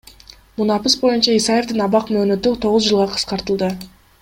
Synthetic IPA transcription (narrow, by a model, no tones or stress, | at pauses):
munɑpɯsbo̞junt͡ʃɑisaje̞fd̪inɑβɑqmøːnø̞t̪yt̪ʰo̞ʁʊzd͡ʒɯlˠʁɑqʰɯ̥sqɑɾt̪ɯlˠd̪ɯ